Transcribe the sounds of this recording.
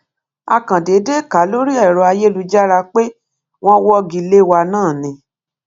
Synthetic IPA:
a˧kã˨de˨˦de˦˨ka˨˦lo˦ɾi˦ɛ˦˨ɾɔ˧˦a˧je˦lu˧d͡ʒa˦ɾa˧k͡pe˦ | w̃ɔ̃˦wɔ˦ɡi˧le˦wa˧nãː˦˨nĩ˧˦

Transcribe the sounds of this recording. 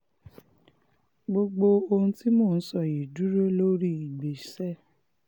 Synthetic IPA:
ɡ͡bo˧ɡ͡bo˧o˧hũ˧˦ti˦mõː˦˨˦sɔ˦˨ji˨du˨˦ɾo˦lo˦ɾi˦i˨ɡ͡be˨sɛ˦˨

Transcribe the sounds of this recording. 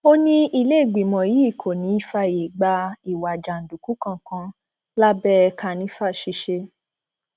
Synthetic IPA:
o˦nĩ˦i˧le˦i˦˨ɡ͡bi˨mɔ̃˨ji˨˦i˦˨kʰo˨nĩ˨˦i˧˦fa˧˨je˨ɡ͡ba˧i˨wa˨d͡ʒa˨n̩˨du˨ku˨˦kã˧˨kã˧ | la˦bɛ˦˧kʰa˧nĩ˦fa˦˨ʃi˧ʃe˧

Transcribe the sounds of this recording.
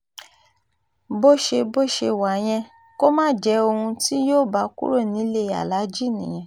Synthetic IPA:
bo˦ʃe˧bo˦ʃe˧wa˨˦j̃ɛ̃˧ | ko˦mãː˦˨d͡ʒɛ˨˦o˧hũ˧ti˦joː˦˨ba˨˦kṵ˦ɾo˦˨nĩ˨˦le˦˨a̰˨la˨˦d͡ʒi˦˨nĩ˨j̃ɛ̃˨

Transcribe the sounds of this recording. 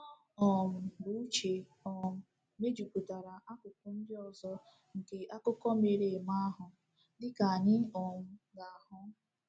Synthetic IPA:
ɔ˨m̩˨bʊ˦u˦t͡ʃe˨ɔ˨m̩˨ | me˦d͡ʒu˨ku˨ta˨ɾa˨ʔa˦kʊ˨kʊ˦n̩˦dɪ˦ɔ˨zɔ˦ | ŋ̩˨ke˦ʔa˦kʊ˦kɔ˦me˨ɾe˨ma˦a˦ɦʊ˨ | dɪ˦ka˨ɲɪ˦ɔ˨m̩˦ɡa˨a˨ɦʊ˦

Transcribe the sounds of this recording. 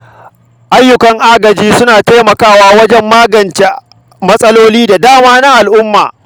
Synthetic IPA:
ʔa˦jːʊ˨kɐ˨˦ŋʔa˦ɡɐ˨d͡ʒiː˦sʊ˦naː˨ta˦jmɐ˨kaː˦waː˦wɐ˦d͡ʒɛ˦mːaː˦ɡɐ˨nt͡ʃe˦ | mɐ˦sʼɐ˦loː˦liː˦da˨daː˦maː˦na˦ʔa˨lʔʊ˦mːa̰ː˨

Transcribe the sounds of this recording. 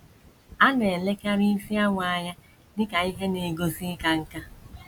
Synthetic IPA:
a˦ne˨le˦ka˦ɾi˦i˦fi˦a˦ŋʷa˨ɲa˦ | dɪ˦ka˨i˦ɦe˦ne˨ɡo˦zi˦ka˦ŋ̩˦ka˦

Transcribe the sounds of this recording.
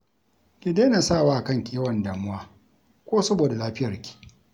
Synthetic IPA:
kʲɪ˨deː˦naː˨saː˦˨waː˦ʔa˨kɐ˦ŋkʲʼːwɐ˨nda˨mʊ˦waː˦ | kʷoː˦sɐ˦boː˨da˨laː˦ɸɪ˦jɐ˨rkʲi̥˨ʔ

